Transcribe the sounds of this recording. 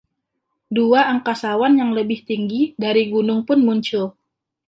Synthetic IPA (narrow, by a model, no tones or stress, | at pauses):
duaːŋkasawanjaŋləbɪht̪iŋɡidaɾiɡunʊŋpʊnmuɲt͡ʃʊl